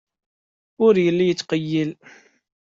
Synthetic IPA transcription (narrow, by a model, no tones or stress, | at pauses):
ʊɾjəlːijət͡sːqəjːil